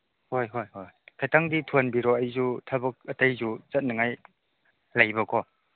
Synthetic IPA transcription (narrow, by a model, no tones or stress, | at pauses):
hojɦojɦojkʰajtaŋditʰuanbiɾɔajzutʰabɯk̚ɐtajzut͡ʃɐt̚naŋaj | lajbɐkʰɔ